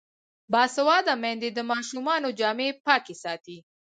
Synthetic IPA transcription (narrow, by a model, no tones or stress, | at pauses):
bɑsawɑd̪amɛnd̪ed̪əmɑʃumɑnod͡ʒɑːmepɑkesɑt̪i